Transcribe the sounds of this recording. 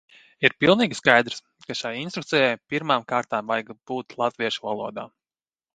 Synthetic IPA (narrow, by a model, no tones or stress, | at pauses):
iɾpilˠniːɡʲiskajd̪ɾs | kaʃajinst̪ɾuk̚t̪sɛjajpiɾmaːmkaːɾt̪aːmvajɡb̥uːt̪lˠat̪viɛʃuvalˠuɔd̪a̰ː